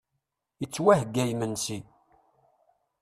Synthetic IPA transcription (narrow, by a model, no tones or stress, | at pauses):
jət͡sːwæhəɡːæjmənsi